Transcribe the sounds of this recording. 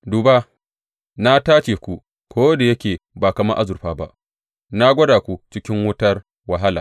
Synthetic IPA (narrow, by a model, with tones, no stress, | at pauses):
duː˨ba˦ | na˦taː˦t͡ʃeː˨kʷu˦ | kʷoː˦da˨jɐ˦kʲeː˨ba˨kɐ˨mɐ˦ʔa˦zʊ˨ɸaː˦ba̰˦ʔ | na˦ɡʷɐ˦daː˨kʷu˦˨t͡ʃɪ˦kʲɪ˦ŋwʊ˦tɐ˦r | wa˨ɦa˦la̰ː˨